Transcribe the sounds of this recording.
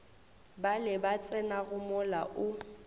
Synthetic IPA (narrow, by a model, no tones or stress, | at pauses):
balɪbat͡sʼɛnaɣʊmʊla̰ʔʊ